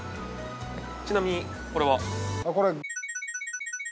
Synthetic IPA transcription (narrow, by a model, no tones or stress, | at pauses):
t͡ɕinamʲiɲ̟i | ko̞ɾe̞βako̞ɾe